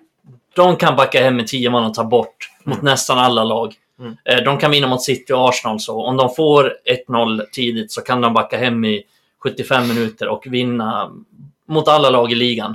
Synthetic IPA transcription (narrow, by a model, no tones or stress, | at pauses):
d̪̥ɔmkʰanbakːahɛmːɪt̪ʰiːəmɔːɔmt̪ʰɑːɾbɔʈːmʊt̪nɛst̪analːalɑːɡ | ɖ̪ɔmkʰanvɪnːamʊt̪sɪt̪ːɪɔɑːʂɪnɑlsɔɔmd̪ɔmfoːɾɛt̪ːnɔlːt̪ʰiːd̪ɪt̪sɔkʰand̪ɔmbakːaɦɛmːɪ | ɧɵt̪ːɪfɛmːɪnʉ̟ːt̪əɾʔɔkvɪnːa | mʊt̪alːalɑːɡɪliːɡan